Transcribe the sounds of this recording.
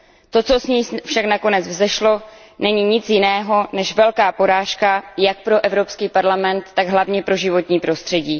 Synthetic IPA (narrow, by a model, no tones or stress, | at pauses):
t̪o̞t͡so̞sɲiːfʃaknako̞nɛd͡zvzɛʃlo̞ | nɛɲiːɲɪt͡sjɪnɛːɦo̞nɛʃvɛlkaːpo̞ɾaːʃkajak̚pɾo̞ʔɛvɾo̞pskiːpaɾlamɛnt̪ːaɡɦlavɲɛpɾo̞ʒɪvo̞t̪ɲiːpɾo̞st̪r̥ɛɟiː